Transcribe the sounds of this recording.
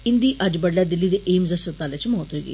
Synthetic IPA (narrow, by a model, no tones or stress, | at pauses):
ind̪iːʔəd͡ʑbəɽljad̪ilːiːd̪eʔemzəsət̪aljat͡ɕiməɦɔt̪ojɡḭː